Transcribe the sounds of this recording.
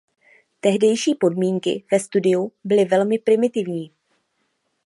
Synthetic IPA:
t̪ɛɦdɛjʃiːpo̞dmiːŋkɪ̰v̥ɛst̪udɪubɪlɪvɛlmɪpɾɪmɪt̪ɪvɲiː

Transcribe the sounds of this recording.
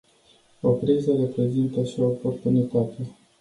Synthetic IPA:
o̞pɾizəɾe̞pɾe̞zint̪əʃio̞ːpo̞rt̪unit̪at̪e

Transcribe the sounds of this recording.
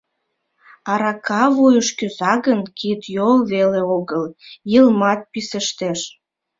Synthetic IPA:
ɑɾɑkʰɑβujəʃkyzɑɣənkit̪jolβeleoɣəljəlmɑt̪̚pisəʃt̪eʃ

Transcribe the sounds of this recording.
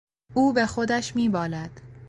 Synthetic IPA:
ʔuːbe̞xod̪æʃmiːbɒːlæd̪̥

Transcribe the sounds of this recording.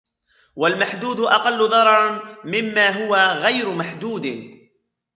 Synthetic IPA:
walmaħd̪uːd̪ʊʔɑqɑlːʊðˤɑɾˤɑɾˤmɪmːaːɦʊwaɣajɾʊmaħd̪uːd̪ɪ

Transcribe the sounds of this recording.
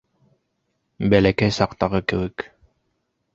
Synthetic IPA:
bælækɛjsɑqt̪ɑʁɤkɘwɘk

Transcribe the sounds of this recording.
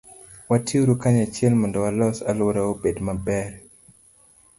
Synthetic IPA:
watioɾukaɲat͡ʃjɛlmɔndɔwalɔsalwoɾaobedmabɛr

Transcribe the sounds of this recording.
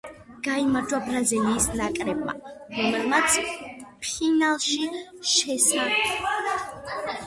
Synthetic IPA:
ɡ̥aimaɾd͡ʒwabɾaziliːsnakʼɾɛbma̰ɾɔmɛlmat̪sʰpʰinalˠʃi | ʃɛsaɛ

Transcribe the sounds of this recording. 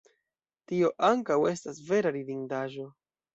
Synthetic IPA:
tio̞ʔaŋkawe̞stasve̞ɾaɾidiŋdaʒo̞

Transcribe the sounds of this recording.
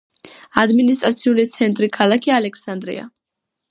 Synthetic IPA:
ad̪minis̬t̪ʼɾat̪sʰiulit̪sʰɛnt̪ʼɾikʰalˠakʰialɛkʰsand̪ɾḭa̰

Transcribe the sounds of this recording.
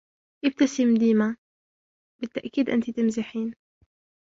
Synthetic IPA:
ʔɪb̚t̪asimd̪iːma | bɪt̪ːaʔkiːd̪ʔɪ̰nt̪it̪ɪmzɪħiːn

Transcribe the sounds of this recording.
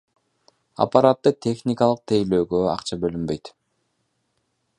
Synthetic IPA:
a̰paɾat̪ːɯt̪ʲʰe̞xnʲɪkalˠɯq̚t̪ʰejløːɡøɑ̰qt͡ʃɑbølymbøjt̪

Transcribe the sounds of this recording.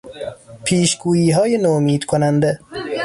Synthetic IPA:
pʰiːʃɡuːjiːɦɒːjenomiːd̪̥kʰonænd̪e

